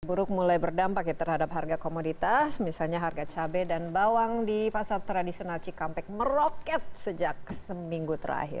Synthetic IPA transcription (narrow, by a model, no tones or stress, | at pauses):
buɾʊk̚mulajbərdampakjat̪ərhadap̚ɦarɡakomodit̪asmisalɲaɦarɡat͡ʃabɛdanbawaŋdipasart̪ɾadisionalt͡ʃikampɛk̚mərokɛt̪̚səd͡ʒak̚səmiŋɡut̪əɾa̰ɦɪ̰r